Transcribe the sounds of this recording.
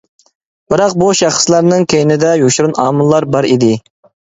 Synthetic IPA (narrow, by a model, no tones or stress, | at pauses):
b̥ɪɾɑqbuʃɑχslˠɑɾnɨŋkʲʰejɪnɪd̪ɛjoʃɾunɑːmɨlˠːɑɾbɑɾid̪ɪ